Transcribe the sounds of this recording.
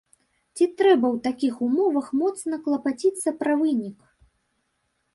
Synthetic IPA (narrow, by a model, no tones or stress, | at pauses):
t͡sʲit̪ɾɛbɐwt̪akʲixumɔvɐxmɔt̪snɐklˠɐpat͡sʲit̪sːɐpɾɐvɨnʲik